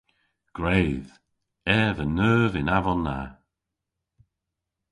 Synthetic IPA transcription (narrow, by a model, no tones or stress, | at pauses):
ɡ̥ɹejð | ɛːvənəːvɪnavɔnːa̰